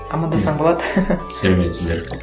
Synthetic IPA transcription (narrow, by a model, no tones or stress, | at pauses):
ɑmɑnd̪ɑsɑɴbolˠɑd̪sælemet̪sɪzd̪eɾ